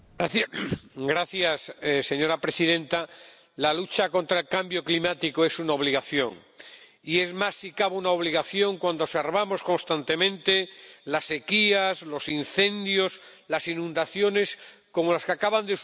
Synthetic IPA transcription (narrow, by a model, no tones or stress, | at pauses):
ɡɾaθjasse̞ɲo̞ɾapɾe̞siðẽ̞nt̪a | lalut͡ʃako̞nt̪ɾaelkambjo̞klimat̪ikoe̞sunaoβ̞liɣaθjo̞̰ŋ | ie̞zmasikaβunaoβ̞liɣaθjõ̞ŋkwand̪oseɾβamo̞sko̞nst̪ant̪e̞mẽ̞nt̪elase̞kiaslo̞sinθẽ̞nd̪jos | lasinũnd̪aθjo̞ne̞sko̞mo̞laskeakaβand̪e